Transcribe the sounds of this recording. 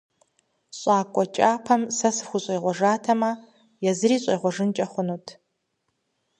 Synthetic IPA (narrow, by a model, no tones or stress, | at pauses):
ɕʼɑːkʷʼɔt͡ʃʼaːpʰɐmsɐsɨxʷʊɕʼɐjʁʷɔʒaːtʰɐmɐ | jɛzɨɾiːɕʼɐjʁʷɔʐɨnt͡ʃʼɐχʷʊnuːtʰ